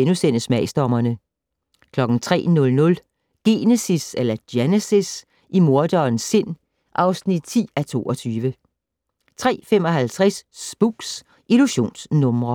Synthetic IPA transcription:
enusen̰əsmɛɪsd̥ɒmɐnə | kʰlɒ̽ɡ̥n̩t͡sʰʁɛ̰ːnɔ̽lnɔ̽l | ɡ̥e̝nesiselɐd̥jenesis | imo̝ɐd̥ɒːnsːe̝n̰ | ʔɑ̈ʊsnid̥̚t͡sʰḭːæt͡sʰo̝̰ːɒ̽t͡sʰyːʋə | t͡sʰʁɛ̰ːfem̰ɒ̽ɦælt͡sʰʁassb̥uɡ̥s | ʔiluɕo̝̰ːnsnɔ̽mʁɐ

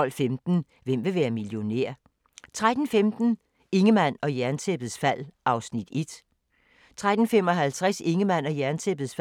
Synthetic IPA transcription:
ɒ̽l̰femd̥n̩ | ʋem̰ʋe̝ʋæːɐmiljo̝nḛɐ̰ | t͡sʰʁad̥n̩femd̥n̩ | e̝ŋəmæn̰ɒ̽jæɐnt͡sʰeb̥ð̞̩ˠsfæl̰ʔɑ̈ʊsnid̥e̝d̥ | t͡sʰʁad̥n̩fem̰ɒ̽ɦælt͡sʰʁase̝ŋəmæn̰ɒ̽jæɐnt͡sʰeb̥ð̩ˠsf

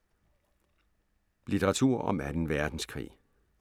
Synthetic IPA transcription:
lit͡sʰeʁɑ̈t͡sʰuɐ̰ʔɒ̽mæd̥enʋæɐd̥n̩skʰʁḭː

